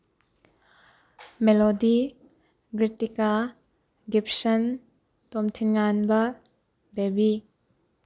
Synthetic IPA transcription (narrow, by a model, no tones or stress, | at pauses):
melodi | ɡɾitika | ɡip̚sɐn | tomtʰinŋanbɐ | bebi